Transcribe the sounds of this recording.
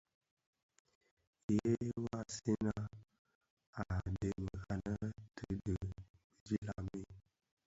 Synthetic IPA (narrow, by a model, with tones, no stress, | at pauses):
je˦wa˦˨si˦na˦ | a˨de˨mə˨ka˨nə˦tʰə˦də˨ | d͡ʒi˦la˨mi˦